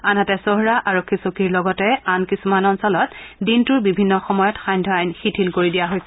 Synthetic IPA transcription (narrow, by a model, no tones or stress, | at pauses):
anatɛsoɦɹaʔaɹokʰːisokiɹlɔɡɔtɛankisumanɔnsɔlɔtdintʊɹbibʱinːɔxɔmɔjɔtxajɲdʱɔajnxitʰilkoɹidijaɦojsɛ